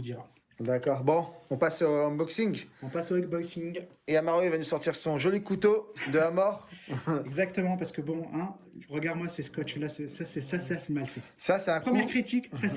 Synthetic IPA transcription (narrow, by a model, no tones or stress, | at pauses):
d̪iʁa | d̪akɔʁbɔ̃ɔ̃pasõbɔksiŋɡɔ̃pasoɛkbɔsiŋɡ | eamaʁoivanusɔʁt̪iʁsɔ̃ʒɔlikut̪od̪əamɔʁɛɡzakt̪əmɑ̃paʁsə̥kəbɔ̃ɛ̃ | ʁəɡaʁd̪mwaseskɔt͡ʃlasəsasɛsaseasɛmalfɛsasɛ̃pχəmjɛʁkχit̪iksa